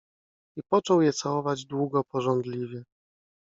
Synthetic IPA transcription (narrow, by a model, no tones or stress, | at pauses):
ipɔt͡ʂɔwjɛt̪sawɔvad͡ʑd̪wuɡɔpɔʐɔnd̪lʲivʲjɛ